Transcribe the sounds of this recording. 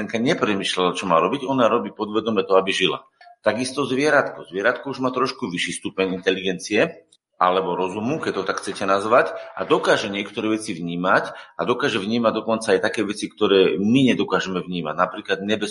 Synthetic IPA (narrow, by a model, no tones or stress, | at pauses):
ɛŋkaɲɛpɾɛmiːʃlalat͡ʃɔmaːɾɔbiɟɔnaɾɔbiːpɔd̪ʋɛd̪ɔmɛt̪ɔabiʒila̰ | t̪aɡist̪ɔzʋɪɛɾat̪kɔzʋɪɛɾat̪kɔuʒmaːt̪ɾɔʃkuʋiʃiːst̪upɛɲint̪ɛliɡɛnt͡siɛ | a̰lɛbɔɾɔzumukɛt̪ːɔt̪akxt͡sɛcɛnazʋaca̰d̪ɔkaːʒɛɲɪɛkt̪ɔɾɛːʋɛt͡siʋɲiːmacad̪ɔkaːʒɛvɲiːmaɟd̪ɔkɔnt͡saajt̪akɛːʋɛt͡sikt̪ɔɾɛːmiɲɛd̪ɔkaːʒɛmɛvɲiːmaɟnapɾiːklad̪ɲɛbɛ